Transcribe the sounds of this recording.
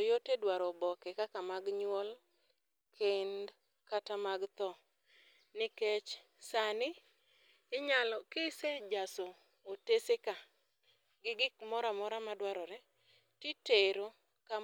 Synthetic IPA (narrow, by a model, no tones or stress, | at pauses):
jotedwaɾɔbɔkɛkakamaɡɲwɔl | kʰend | katamaɡt̪ɔ | nɪkɛt͡ʃ | sanɪː | ɲalɔkɪsed͡ʒaso | oteseka | ɡɪɡɪkmɔɾamɔɾamadwaɾɔɾɛ | titeɾo | ka